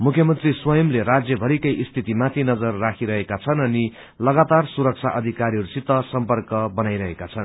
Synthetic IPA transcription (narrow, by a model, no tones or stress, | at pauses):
mukʰjʌmʌnt̪riswʌjʌmlerad͡zjʌbʱʌɾikʌjʔist̪ʰit̪imat̪ʰinʌd͡zʌrːakʰiɾʌɦekat͡sʰʌnʌni | lʌɡat̪arsuɾʌk̚t͡sʰaʔʌd̪ʱikaɾiɦʌɾusit̪ːʌsʌmpʌrkʌbʌnajɾʌɦekat͡sʰʌn